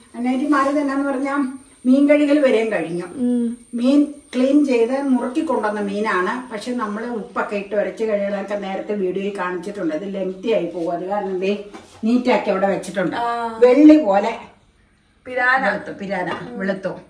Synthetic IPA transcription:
ɐnːejɐt̪ːimaːɾit̪ɐnːeaːnːɨpɐrɐɲːaːl | miːnkɐɻiŋɐlʋɐɾeːnkɐɻiɲːumiːnkɭiːnt͡ɕe̞jðɐmurɐkːikːo̞ɳɖonːɐmiːnaːɳɨpɐkʂe̞ːnɐmːɐɭeupːɐkːɐjiʈːɨʋɐɾɐt͡ɕːɨkɐɻiŋɐɭɐɐkːene̞ːɾɐt̪ːeʋiːɽujolkːaːɳit͡ɕːiʈːuɳɖɨɐðɨle̞mt̪ijaːjipoːɣuɐðikaːɾɐnɐɖiniːtːaːkːiɐʋiɽeʋɐt͡ɕːiʈːuɳɖɨʋe̞ɭːipo̞ːle̞ | piɾaːɐɭt̪ːupiɾaːða̰ːɳʋiɭut̪ːu

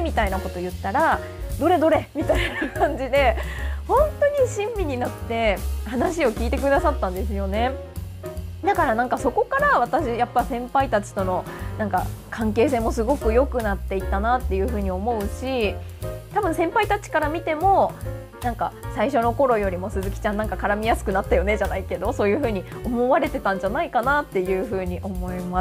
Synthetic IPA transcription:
mʲit̪ainako̞t̪o̞jɯ̟t̪ːaɾa | d̪o̞ɾe̞d̪o̞ɾe̞mʲit̪ainakãɲ̟d͡ʑid̪e̞hõ̞nt̪o̞ɲ̟iɕĩmbʲiɲ̟inat̪ːe̞hanaɕio̞kʲiːt̪e̞k̬ɯ̟d̪asat̪ːãnd̪e̞s̬ɨjo̞ne̞ | d̪akaɾanãŋkaso̞ko̞kaɾaβ̞at̪aɕijapːasẽ̞mpait̪at͡ɕi̥t̪o̞no̞nãŋka̰kʰãŋke̞ːs̬e̞ːmo̞sɨɡo̞kɯ̟jo̞kɯ̟nat̪ːe̞it̪ːanat̪ːe̞jɯ̟ːɸɯ̟ːɲ̟io̞mo̞ɯ̟ɕi | t̪abɯ̟̃sẽ̞mpait̪at͡ɕi̥kaɾamʲit̪e̞mo̞ | nãŋka̰saiɕo̞no̞ko̞ɾo̞jo̞ɾʲimo̞sɨzɨkʲi̥t͡ɕãnãŋkakaɾamʲijasɨ̥kɯ̟nat̪ːajo̞ne̞ʑanaike̞d̪o̞so̞ːjɯ̟ːɸɯ̟ːɲ̟iomo̞βaɾe̞t̪e̞t̪ãɲ̟d͡ʑanaikanat̪ːe̞jɯ̟ːɸɯ̟ːɲ̟iʔo̞mo̞imas

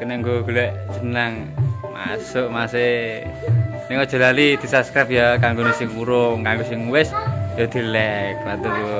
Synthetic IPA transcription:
kənɛŋɡoɡ̥ulɛʔd͡ʒ̥ənaŋ | ma̰sʊʔmase | niŋkɔdʒ̥ə̤lalid̪̥i̤sapskɾap̚jakaŋɡonisɪŋuɾoŋkaŋɡosɪŋuwɪsjod̪̥i̤lɛk̚pat̪ulu

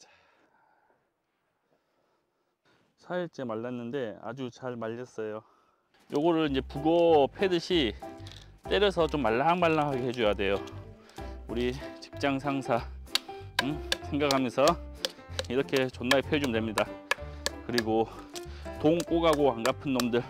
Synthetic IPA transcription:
t͡ɕ | sʰaiɭt͡ɕ͈emaɭːanːɯnde̞a̰d͡ʑut͡ɕaɭmaʎːʌs͈ʌjo | jʔoɡʌɾɯɾind͡ʑe̞puɡʌpʰe̞dɯɕʰi | t͈e̞ɾʌsʰʌt͡ɕomːaɭːaŋmaɭːaŋʰaɡeɦed͡ʑuɕjadwe̞jo | uɾit͡ɕi̥k̚t͡ɕ͈aŋsʰaŋsʰa | sʰe̞ŋɡakʰamjʌnsʰʌ | iɾʌkʰe̞t͡ɕʌnːaepʰed͡ʑomdwe̞mɲida | kɯɾiɡo | toŋk͈oɡaɡoaŋɡapʰɯnːʌmdɯɭ

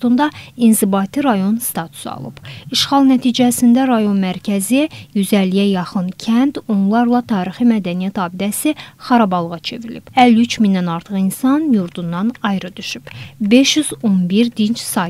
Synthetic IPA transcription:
t̪und̪ɑinzibɑt̪ʰiɾɑjo̞nst̪ɑt̪ʰu̥sɑ̰lˠɯ̰b̥iʃχɑlˠnæt̪ʰiːd͡ʒæsind̪æɾɑjo̞nmæɾcʰæzijyzælːijæjɑχɯncʰænt̪o̞nlˠɑɾlˠɑt̪ʰɑːɾiximæd̪ænijæt̪ɑːbid̪æsiχɑɾɑbɑlˠʁɑt͡ʃʰe̞̰vɾilḭb̥ælːyt͡ʃʰminːænɑɾt̪ʰɯχinsɑnjuɾd̪undːɑnɑjɾɯd̪yʃyb̥be̞ʃjyzo̞nbiɾd̪int͡ʃsɑː

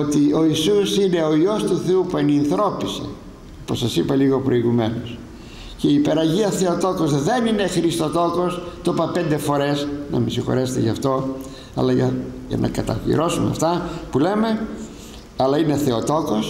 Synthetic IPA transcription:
ot̪io̞isusine̞o̞io̞st̪uθe̞upueninθɾo̞pise̞̰ | oposɐsipɐliɣo̞pɾo̞iɣume̞nos | ceiːpe̞ɾɐʝiɐθe̞o̞t̪o̞ko̞zðe̞nine̞xɾist̪o̞t̪o̞ko̞st̪opɐpe̞nd̪efo̞ɾe̞snɐ̰misixo̞̰ɾeset̪ḛʝɐft̪o̞ | ɐ̰lɐʝɐʝɐ̰nʔɐ̰kɐt̪ɐ̰ḭɾo̞sunɐ̰ft̪ɐpule̞me̞ | ɐlɐine̞θe̞ot̪o̞ko̞s

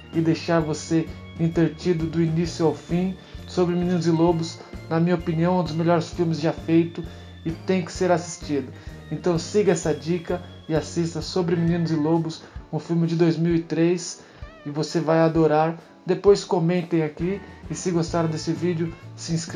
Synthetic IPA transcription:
ɪd̪ejʃaɾvose | ĩnt̪eɾt͡ʃid̪ʊd̪ʊinisjʊawfĩ | sobɾɪmĩnĩnʊzɪlobʊs | nɐmĩɲɐopĩniɐ̃w̃ũd̪ʊzmeʎɔɾɪsfiwmɪzd͡ʒafejt̪ʊ | ɪt̪ẽj̃kɪ̥seɾasi̥st͡ʃid̪ʊ | ẽnt̪ɐ̃w̃siɡɐɛsɐd͡ʒikɐ | ɪasist̪ɐsobɾɪminĩnʊzɪlobʊsũfiwmɪd͡ʒɪd̪ojzmiwɪt̪ɾes | ɪvosevajad̪oɾaɾ | d̪epojskomẽnt̪ẽj̃akiɪsɪɡost̪aɾɐ̃d̪esɪvid͡ʒɪʊsɪĩsk

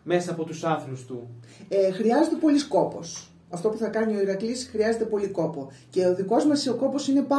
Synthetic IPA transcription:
me̞sɐːpo̞t̪usɐθlust̪ṵexɾiɐze̞t̪e̞po̞lisko̞po̞̰s | ɐft̪o̞puθɐkɐnio̞iɾɐklisxɾiɐze̞t̪e̞po̞liko̞po | ce̞oðiko̞zmɐsio̞ko̞po̞sine̞pɐ

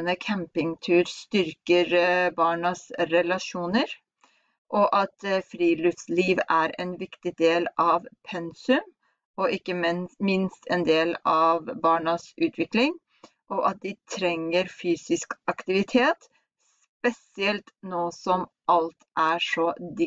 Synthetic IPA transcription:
nəkʰæmpɪŋt̪ʰʉːɾst̪ʏɾkəɾbɑːɳɑsɾɛlɑʂuːnəɾ | ʔɔʔɑt̪fɾiːlʏfsliːʋæɾɛnʋɪkt̪ɪd̪eːlɑʋpʰɛnsʉm | ɔʔɪkːəmmɪnst̪ʰɛ̰nd̪eːlɑːʋbɑːɳɑsʉːt̪ʰʋɪklɪŋ | ʔɔʔɑt̪̚d̪ɪt̪ʰɾɛŋːəɾfyːsɪskɑkt̪ɪʋɪt̪ʰeːt̪ | s | pɛsɪɛlt̪noːsɔm | ʔɑlt̪ʔæːʂɔd̪ɪ

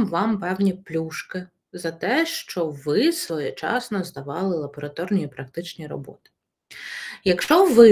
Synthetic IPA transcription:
mʋɑmpɛwnʲiplʲuʃkɪ | zɐt̪ɛʃt͡ʃɔʋɪsʋɔjɛt͡ʃɑ̰snɔzd̪ɐʋɑlˠɪlˠɐbɔɾɐt̪ɔrnʲiipɾɐk̚t̪ɪt͡ʃnʲijɾɔ̰bɔ̰t̪ɪ̥ | jɐkʃt͡ʃɔʋɪ

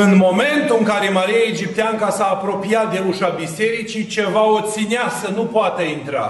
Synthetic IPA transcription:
ɨnmo̞me̞nt̪uɨŋkaɾe̞maɾiaed͡ʒip̚t̪eaŋkasaːpɾo̞piat̪̚d̪e̞ɾuʃabise̞ɾit͡ʃit͡ʃe̞vaot̪sineasənupoat̪əint̪ɾa̰

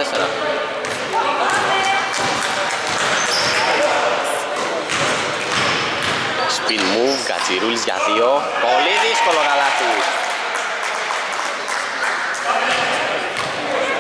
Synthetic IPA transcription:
eseɾɐ̰ | spilmuvɡɐ̰t͡siɾulizʝɐ̰ðio | poliðisko̞lokɐlɐt̪u

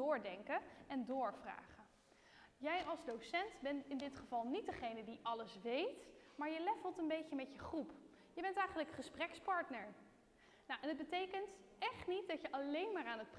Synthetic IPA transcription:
ʊːɹdɛŋkəɛndʊːɹvra̰ːχə | jɛjʔɑlˠzdowsɛntbɛntɪndɪtχəvɑlˠnit̚dəχejnədiʔɑləsʋejtmaːɹjəlɛfəlˠtənbejcəmɛtjəχrup | jəbɛntɛjχənləkχəsprɛkspɑɹtnəɹ | nawʔɛnəd̚bətejkəntʔɛχtnit̚dɑcjəʔɑlejnmaːɹaːnɦət̚p

